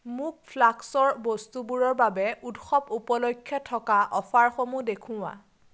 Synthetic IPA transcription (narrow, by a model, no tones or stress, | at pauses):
muk̚pʰlaksɔɹbɔstubuɹɔɹbabɛudxɔpupɔlokʰːjɔtʰːɔkaʔɔfʰaɹxomudekʰʊ̃wa̰